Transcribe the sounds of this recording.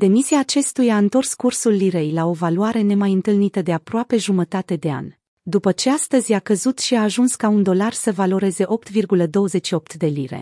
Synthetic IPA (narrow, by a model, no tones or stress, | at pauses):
d̪̥e̞misiaːt͡ʃe̞st̪ujaaɨnt̪o̞rskursulːiɾe̞jlao̞valuaɾe̞ne̞majɨnt̪ɨlnit̪əd̪e̞apɾoape̞ʒumət̪at̪e̞d̪e̞a̰nʲ | d̪upət͡ʃe̞ast̪əzʲjakəzut̪ʃiaːʒunskaund̪o̞larsəvalo̞ɾe̞ze̞ʔo̞p̚t̪virɡuləd̪o̞wəze̞t͡ʃʃio̞p̚t̪d̪e̞liɾe̞̰